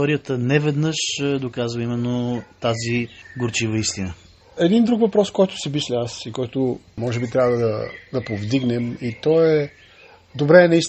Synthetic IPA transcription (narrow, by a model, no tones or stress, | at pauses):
ɔɾijət̪ənɛvɛd̪nɤʃd̪okazvəimɛnːot̪aziɡoɾt͡ʃivəist̪inə | ɛd̪ind̪ɾukvɐpɾɔskɔjt̪ʊ̥simislʲɛasikɔjt̪ʊ | mɔʒɛbit̪ɾʲabvəd̪ɐd̪ɐpovd̪iɡnɛmit̪ɔɛ | d̪obɾɛːnɐis